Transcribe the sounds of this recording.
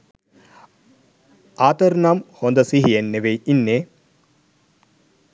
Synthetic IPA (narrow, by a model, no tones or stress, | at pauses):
aːt̪əɾnamhond̪əsiɦienːeʋeinːeː